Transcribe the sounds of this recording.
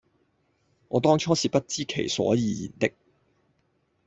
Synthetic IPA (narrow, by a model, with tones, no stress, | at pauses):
ŋɔː˨˧t̪ɔː˥ŋt͡ʃʰɔː˥siː˨˩pɐ˥t̚t͡siː˥kʰe˨˩jsɔ̰ː˨˥jiː˨˧jḭ˨˩nt̪ɪ˥k̚